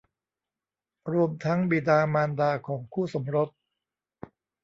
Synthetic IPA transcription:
ɾu˧əmt̪ʰa˦˥ŋbi˨˩daː˧maː˧ndaː˧kʰɔː˩˦ŋkʰuː˥˩so˩˦mɾo˦˥t̪̚

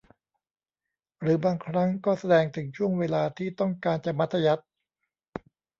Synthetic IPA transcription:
ɾɯː˩˦baː˧ŋkʰɾa˦˥ŋkɔː˥˩sa˧dɛː˧ŋt̪ʰɯ˩˦ŋt͡ɕʰu˥˩əŋweː˧laː˧t̪ʰiː˥˩t̪ɔ˥˩ŋkaː˧nt͡ɕa˨˩ma˦˥t̪ʰːa˧ja˦˥t̪̚

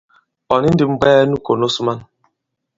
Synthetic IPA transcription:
ɔ˨nɪ˦n̩˦dɪ˨ŋ͡m̩˦ɡ͡bɛː˦nu˦ko˨no˦su˦ma˦n˨

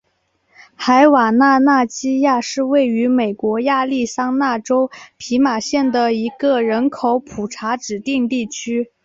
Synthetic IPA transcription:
xa˧˥ɪwa˨˩na˥˧na˥˩t͡ɕi˥ja˥˧ʂɻ̩˥˧we˥˩ɪy˧˥me˨˩ɪkwɔ˧˥ja˥˧li˥˩sɑ˥ŋna˥˩ʈ͡ʂo˥ʊpʰi˧˥ma˨˩ɕjɛ˥˩nd̪ə˩i˧˥ɡə˧ɻə˧˥nkʰo˧˥ʊpʰu˨˩ʈ͡ʂʰa˧˥ʈ͡ʂɻ̩˨˩t̪i˥˧ŋt̪i˥˩t͡ɕʰy˥

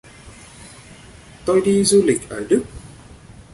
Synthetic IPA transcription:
t̪o˧jɗi˧zu˧lï˨˩k̚ʔəː˧˩ɗɨ˦˥ək̚

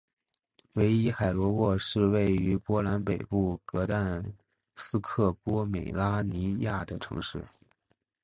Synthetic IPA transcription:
we˧˥ɪi˥xa˨˩ɪlwɔ˧˥wɔ˥˧ʂɻ̩˥˧we˥˩ɪy˧˥pwɔ˥la˧˥npe˨˩ɪpu˥˩kɤ˧˥t̪a˥˩n | sɹ̩˥kʰɤ˥˩kwɔ˥me˨˩ɪla˥ni˧˥ja˥˩d̪ə˩ʈ͡ʂʰɤ̰˧˥ŋʂɻ̩˥˩

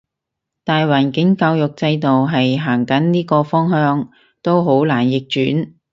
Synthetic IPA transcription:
t̪aː˨jwaː˨˩nkɪ˨˥ŋkaː˧wjʊ˨k̚t͡sɐ˧jt̪o˨wɦɐ˨jɦaː˨˩ŋkɐ˨˥nniː˥kɔː˧fɔː˥ŋhœː˥ŋ | t̪o˥wɦo˨˥wlaː˨˩njɪ˨k̚t͡ʃyː˨˥n

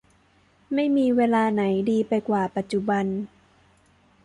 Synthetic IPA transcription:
ma˥˩jmiː˧weː˧laː˧na˩˦jdiː˧pa˧jkwaː˨˩pa˨˩t̪̚t͡ɕu˨˩ba˧n

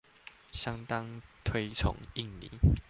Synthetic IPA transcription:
ɕja˦ŋt̪a˦ŋt̪ʰwe˦ɪt͡sʰʊ̰˨˧˦ŋi˥˨ŋlḭ˨˦

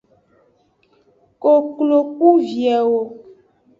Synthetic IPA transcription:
ko˨klo˨ku˦vjɛ˨wo˨

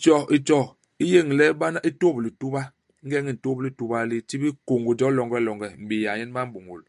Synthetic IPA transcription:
t͡ʃɔ˦ʔi˨t͡ʃɔ˨ | i˦je˦˨ŋ˨lɛ˦ba˦na˦ʔi˦to˦bi˨li˨tu˦ba˦ | ŋ̩˦ɡɛ˦ŋi˦˨n̩˨to˦bi˦li˦tu˦ba˦li˦t͡ʃi˦bi˦ko˨ŋɡu˨d͡ʒɔ˦lɔ˨ŋɡɛ˦lɔ˨ŋɡɛ˨m̩˨bi˨ja˨ɲɛ˦n˦ba˦m̩˦bu˨ŋɡo̰˨l

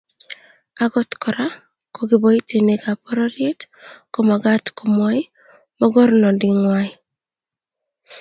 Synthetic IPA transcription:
aɡɔ˦t̪kɔ˨ɾa˦ | ko˨ɡɪ˨bo˨i˦te˨neɡa˨pɔɾɔ˦ɾje˦tko˨ma˨ɡat̪ko˨mɔi˦ | mɔ˦ɡɔ˦ɾnɔ˨di˨ŋwaɪ

